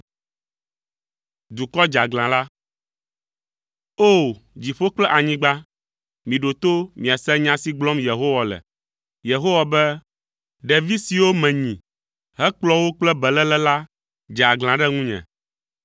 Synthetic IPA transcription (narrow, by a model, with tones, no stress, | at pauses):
d̪u˨kɔ˦d͡ʒa˨ɡlã˨la˦ | o˦˨d͡ʑi˨ɸo˦k͡plɛ˦ʔa˨ɲĩ˦ɡ͡ba˦ | mĩ˨ɖo˨t̪o˦mĩ˨a˨sɛ˦ɲã˨si˦ɡ͡blɔ̃˦mje˨ɦo˦wa˨lɛ̰˨ | je˨ɦo˦wa˨bɛ˦ | ɖɛ˨vi˦si˨wo˦mɛ̃˨ɲĩ˨ | ɦɛ˦k͡plɔ˦wo˦k͡plɛ˦bɛ˨lɛ˦lɛ˦la˦ | d͡ʒa˨ɡl̃ã˨ɖɛ˦ŋũ˦ɲɛ̰̃˨